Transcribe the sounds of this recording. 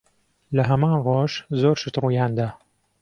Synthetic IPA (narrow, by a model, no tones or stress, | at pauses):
ləɦɛmãːnroːʒzoːɾʃɨt̪ruːjɑːnd̪aː